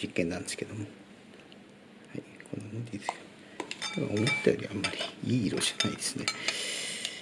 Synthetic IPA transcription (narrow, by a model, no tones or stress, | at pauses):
ikːenːãnd̪esɨ̥ke̞d̪o̞mo̞ | haikʰo̞̰nːanot̪ed̪sk̪ | ma̰omot̪ːajoːɾʲiamːaɾʲiiːɾoɕianaid̪e̥sɨne